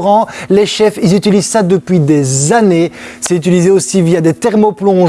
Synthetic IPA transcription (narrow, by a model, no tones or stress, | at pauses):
ʁɑ̃leʃɛfilzyt̪ilizsad̪əpɥid̪ezanesɛyt̪ilizeosivijad̪et̪ɛʁmoplɔ̃